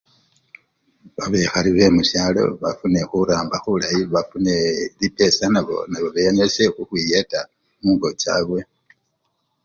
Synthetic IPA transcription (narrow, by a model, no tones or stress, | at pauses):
βaβe̞xaliβe̞muʃjaːlo̞̰βafune̞xuɾaːmbaxuβulajiβafune̞lipe̞sanaβo̞̰naβo̞βejaɲese̞xuxwijeta | muːŋɡo̞ca̰ːβwe̞